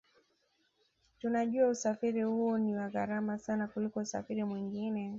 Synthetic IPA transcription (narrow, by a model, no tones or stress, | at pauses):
tunaʄuausafiɾihuɔniwaɣaɾamasanakulikɔusa̰fiɾimwiŋɡinɛ